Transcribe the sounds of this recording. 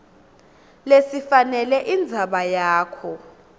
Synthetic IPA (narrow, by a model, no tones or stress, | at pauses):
lesifanɛlɛʔind͡zʱaɓajaːkʰɔ